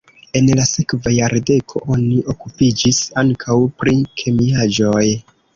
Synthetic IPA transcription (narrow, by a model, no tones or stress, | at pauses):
e̞nlasekvajaɾde̞kʰo̞̰ʔo̞niʔo̞kupid͡ʒisaŋkʰawpɾikʰe̞miad͡ʒo̞j